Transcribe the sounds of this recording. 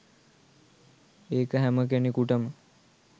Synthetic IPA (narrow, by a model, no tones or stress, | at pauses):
eːkəɦæmək̬enikuʈəmə